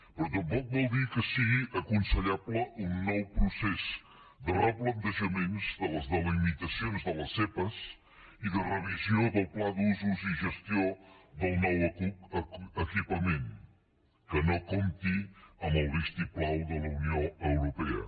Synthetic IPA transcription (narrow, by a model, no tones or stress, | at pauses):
pɾɔt̪̬əmpɔk̚bɔlˠd̪ikəsiɣiʔəkunsəʎabləʔunːɔwpɾusɛz | d̪ərəplənt̪əʒəmenzd̪ələzðəlimit̪əsionzðələsepəs | iðərəβizioðəlˠplad̪uzuziʒəst̪ioðəlˠnɔwəkuəkipəmen | kənokomt̪iəməlˠðist̪iplawðələunioəwɾupɛə̰